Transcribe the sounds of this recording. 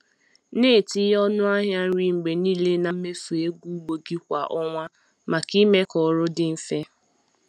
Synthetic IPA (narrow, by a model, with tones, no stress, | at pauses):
neː˦˨ti˦ɔ˦nʊ˦a˦ɦja˦ɾi˨ŋ͡m̩˨ɡ͡be˨niː˦le˦na˨m̩˦me˦fu˨e˦ɡu˦ɡ͡bo˨ɡi˦kʷa˨ʔɔ˦ŋʷa˦ | ma˨ki˦me˦kɔ˨ɾʊ˦dɪ˦m̩˦fe˦